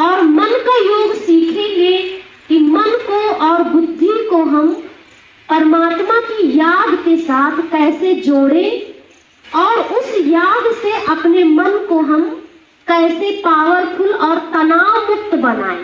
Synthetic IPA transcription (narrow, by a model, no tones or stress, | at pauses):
ɔːɾmənkajoːɡsiːkʰẽɡe | kimənkoɔːɾbʊd̪ʱːikoɦɐm | pəɾmaːt̪makijaːd̪ʱkesaːt̪ʰkɛːsed͡ʒoːɽẽ | ɔːɾʊsjaːd̪ʱseʔɐpnemənkoɦɐm | kɛːsepaːwəɾpʰʊlɔːɾt̪ɐnaːmʊkt̪bəna̰ːḛ̃